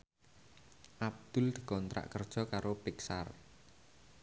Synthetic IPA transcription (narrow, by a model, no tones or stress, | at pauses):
ʔab̚d̪̥ʊ̤ld̪̥ə̥̤kɔnt̪ɾa̰ʔkərd̥ʒ̥ɔ̤kaɾopiksar